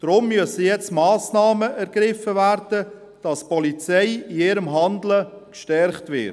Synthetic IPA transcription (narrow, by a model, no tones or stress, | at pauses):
d̥ɾʊmːʏəsəjɛt͡stmɑːsnɑːməʔæɾɡ̥ɾɪfəvæːɾd̥ə | d̥ɑspɔlit͡sɛɪiɪɾəmɦɑndləkʃtɛɾχtʋɪ̰ː